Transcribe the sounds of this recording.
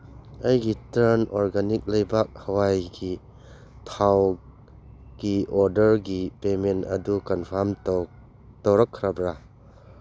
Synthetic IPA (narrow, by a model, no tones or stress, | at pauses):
ɐjɡitɾanɔɾɡanik̚lɐjbak̚hɐwajɡi | tʰaw | ɡ̥iɔɾdəɾɡipementɐ̰dukanpʰaɾm | towɾɐkʰːɾabɾa